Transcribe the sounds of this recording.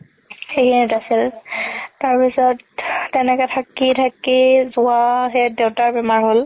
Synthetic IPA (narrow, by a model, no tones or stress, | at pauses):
xejkʰinitasil | taɹpisɔtːɛnɛkɛtʰakitʰakizʊaɦɛdewtaɹbɛmaɹɦol